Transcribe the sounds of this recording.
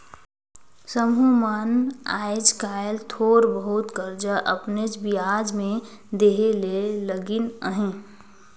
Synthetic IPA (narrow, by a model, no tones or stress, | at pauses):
səmɦumana̰ːɪd͡ʒkaːjlt̪ʰoːɾbəɦʊt̪kəɾd͡ʒəʔəpned͡ʒbijaːd͡ʒmẽ | d̪eɦeleləɡɪnəɦẽ